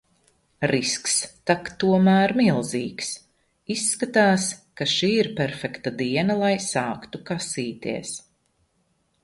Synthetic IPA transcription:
ɾiskst̪akt̪uɔmæːɾmilˠzḭːks | isːkat̪aːskaʃiːiɾpʲɛɾfɛkt̪ad̪iɛnalˠajsɑːkt̪ukasiːt̪ḭɛs

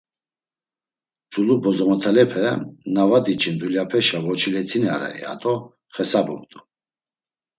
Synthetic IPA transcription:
d͡zulubɔzɔmɔt̪ʰalɛpʰɛnavad̪it͡ʃʰind̪uljapʰɛʃavɔt͡ʃʰilɛt̪ʰinaɾɛ̰ɛ̰a̰t̪ʼɔ | χɛsabɔ̰mt̪ʼu

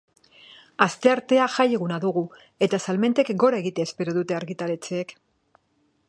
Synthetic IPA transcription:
ast̪e̞aɾt̪e̞aʝaje̞ɣunaðuɣu | e̞t̪asalme̞nt̪e̞kɡo̞ɾae̞ɣit̪eːspe̞ɾo̞ðut̪e̞aɾɣit̪ale̞t͡seːk

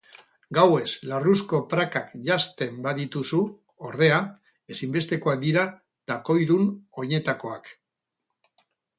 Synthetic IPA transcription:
ɡawe̞slarusko̞pɾakakʝast̪e̞mbaðit̪usu | o̞ɾð̞e̞a | e̞simbe̞st̪e̞koak̚d̪iɾa | d̪̥ako̞jðuno̞ɲe̞t̪ako̞ak

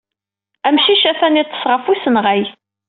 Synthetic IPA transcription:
æmʃiʃæfænit̪ːə̥sʁəfisənʁæj

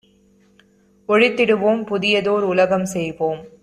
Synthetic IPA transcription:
ɔɻɪt̪ːɪɽɯʋoːmpʊðɪjɐðoːɾʊlɐɣɐmsɛjpoːm

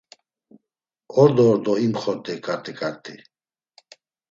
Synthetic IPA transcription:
ɔɾd̪ɔːɾd̪ɔimχɔɾt̪ʼɛkʼaɾt̪ʼɛkʼaɾt̪ʰʼḭ

